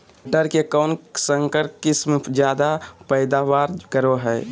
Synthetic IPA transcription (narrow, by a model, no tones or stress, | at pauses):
ʈəɾkekɔːnsə̃ŋkəɾpkɪsmed͡ʒjaːd̪apɛɪd̪aːʋaːɾkəɾoɦɛː